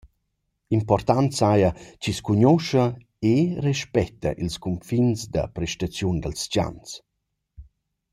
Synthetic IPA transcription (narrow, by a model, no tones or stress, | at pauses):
impɔrt̪antsajat͡ʃiskuɲɔʃɐ | erɛʃpɛt̪ːɐ̰ʔilskumfinsd̪ɐ̰pɾɛʃtat͡sjund̪əlst͡ʃa̰ns